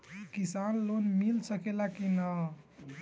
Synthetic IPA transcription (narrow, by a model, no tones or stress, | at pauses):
kisanlonmilsəkelakinə